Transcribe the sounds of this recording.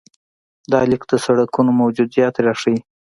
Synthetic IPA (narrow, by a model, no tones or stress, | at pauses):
d̪ɑlikd̪əsaɽakunomawd͡ʒud̪zjɑt̪ɾaʂəi